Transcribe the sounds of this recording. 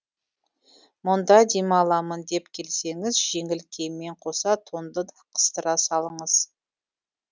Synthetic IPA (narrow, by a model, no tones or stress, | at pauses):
mʊnd̪ɑd̪emɑlˠɑmənd̪e̞pkʲʰe̞lse̞ŋɪzʒe̞ŋɪlkʲʰejmːe̞ɴqʰo̞sɑt̪ʰond̪əd̪qʰə̥st̪əɾɑsɑlˠəɴəz̥